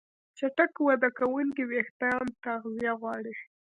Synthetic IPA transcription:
t͡ʃaʈakwad̪akawulkiwext̪ajɑnt̪aɣzijaɣwɑɽi

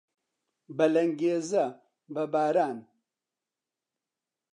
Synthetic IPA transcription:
bɐlɐŋɡeːzɐ | bɐbaːɾaːn

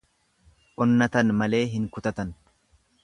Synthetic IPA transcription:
ʔɔnːɐt̪ɐnmɐle̞ːɦɪŋkʊt̪ɐt̪ɐn

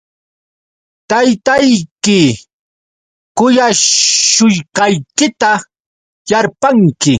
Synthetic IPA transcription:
t̪ajt̪ajkɪ | kʊjaʃʊjkɑjkɪt̪a | jaɾpaŋkɪ

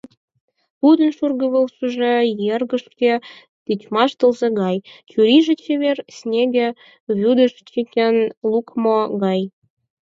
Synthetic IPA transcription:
pud̪ənʃurɣə̆βolsuʒĕjerɣə̆ʃkʲe | t̪it͡ɕmɑʃt̪ə̆lzeɣɑjt͡ɕyɾiʒĕt͡ɕeβersnʲeɡʲĕ | βʲud̪ə̆ʃt͡ɕikʲenlukmoɣɑj

